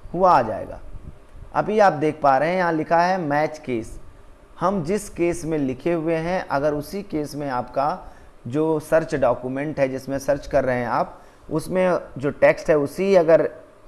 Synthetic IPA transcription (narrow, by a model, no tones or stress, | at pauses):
hʊaad͡ʒa̰ːḛːɡa̰ː | ɐ̰biaːp̚d̪eːkʰpaːɾɐɦɛ̃jɐɦãlɪkʰaɦɛmɛːt͡ʃkeːs | hɐmd͡ʒɪskeːsmẽlɪkʰeɦʊeɦɛ̃ʔɐɡəɾʊsikeːsmẽaːpka | d͡ʒoːsɐɾt͡ʃɖɔːkjumẽɳʈɦɛd͡ʒɪsmẽsɐɾt͡ʃkɐɾːəɦẽɦaːp | ʊ̰smẽd͡ʒoːʈeːksʈɦɛʊsiiɐɡəɾ